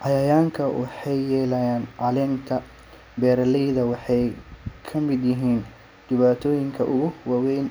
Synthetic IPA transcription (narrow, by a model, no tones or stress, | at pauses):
ʔɑjɐjaːŋkʰɐwʔɑ̰ħɑjːɛːlɐjaːnʕɑlɛːnt̪ʰɐ | bɛːɾɐlɛjðɐwɑħɑjkʰɐmɪd̪jɪɦiːn | d̪̥ɪβaːt̪ʰɔːjɪŋkʰɐʔʊɣʊwɑwɛjn